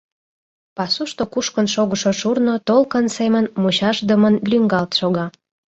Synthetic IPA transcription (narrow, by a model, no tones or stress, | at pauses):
pɑsuʃt̪okuʃkənʃoɣəʃoʃurnot̪olkənsemənmut͡ɕɑʃd̪əmənlʲyŋɡɑlt̪ʃoɣɑ